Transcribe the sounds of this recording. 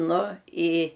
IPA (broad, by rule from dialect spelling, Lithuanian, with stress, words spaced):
ˈnʊ ɪ